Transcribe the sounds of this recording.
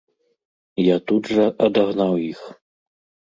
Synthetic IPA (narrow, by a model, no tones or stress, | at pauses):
jat̪udʐɐʔɐd̪aɣnawix